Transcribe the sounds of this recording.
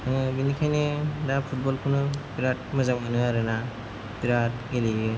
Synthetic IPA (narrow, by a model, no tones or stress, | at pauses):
anɯbinikʰajnɯdapʰut̚bɔlkʰunɯbiɾat̚mazamanɯaɾɯna | biɾat̚ɡelijɯ